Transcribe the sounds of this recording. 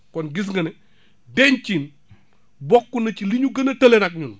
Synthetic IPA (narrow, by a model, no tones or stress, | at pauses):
kɔnɡis̬ŋɡɐnɛ | dɛɲt͡ʃin | bɔkːunɐt͡ʃiliɲuɡɐnɐtɐlenɐk̚ɲun